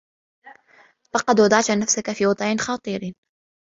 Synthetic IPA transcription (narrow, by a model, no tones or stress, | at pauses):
fɑqɑd̪wɑd̪ˤɑʕt̪nafsakafiːwɑd̪ˤʕɪnxɑːt̪ˤiːɾ